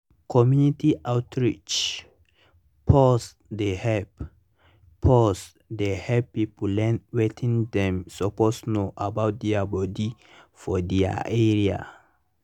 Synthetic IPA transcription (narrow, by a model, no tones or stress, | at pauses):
kʰɔmjunitiʔawtɹit͡ʃ | pʰɔs | dehɛpʰ | ɔs | dehɛppːipolɛ̃nwetʰĩŋdɛ̃msoposnoʔabawt̚dɛabɔdi | fɔdɛa̰ɛɹia̰